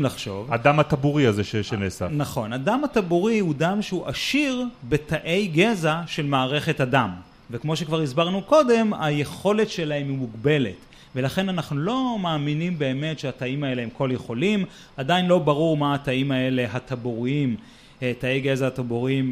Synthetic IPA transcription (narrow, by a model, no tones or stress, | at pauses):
laχʃo̞vad̪amhat̪abuʁiazeʃeʃenesa̰naχo̞nadamhatabuʁihudamʃehuʔaʃiʁbe̞taʔejɡezaʃe̞lmaːʁe̞χe̞tadam | vekmo̞ʃekvaʁizbaʁnuko̞de̞majeχo̞letʃe̞laɦe̞mimuɡbe̞le̞̰t | ve̞laχe̞nanaχnulo̞maːminimbe̞ːme̞tʃeataimae̞lehemko̞ljeχo̞lim | adajinlo̞baʁuʁmaːtaimae̞le̞ɦat̪abuʁiim | tae̞jɡezaːt̪abuʁiim